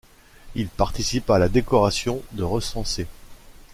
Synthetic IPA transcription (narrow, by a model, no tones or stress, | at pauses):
ilpaʁt̪isipalad̪ekɔʁasjɔ̃d̪əʁəsɑ̃se